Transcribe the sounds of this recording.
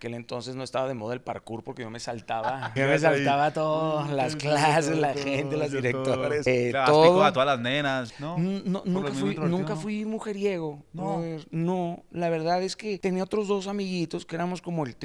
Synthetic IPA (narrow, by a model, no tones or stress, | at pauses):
ake̞le̞nt̪o̞nse̞zno̞est̪aβaðe̞mo̞ðoelpa̰ɾkuɾpo̞ɾke̞ʝome̞salt̪aβaomes̬alt̪aβat̪oððolasklasezlaxent̪elazðiɾekk̚t̪oɾeset̪oðot̪oðalaznenasnonononũŋkafwinũŋkafwimuxe̞ɾjeɣoaβeɾno̞laβe̞ɾðaðe̞ske̞t̪e̞niaot̪ɾo̞zðo̞samiɣit̪o̞skee̞ɾamo̞sko̞moelt̪